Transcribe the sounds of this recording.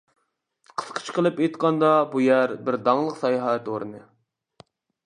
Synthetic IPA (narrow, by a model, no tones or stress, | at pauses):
qʰə̥sqʰə̥t͡ʃqʰəlˠɨpet̪qʰɑnd̪ɑbujæɾbɪɾd̪ɑŋlˠəqsɑjɑɦɑɛt̪oɾɨnɨ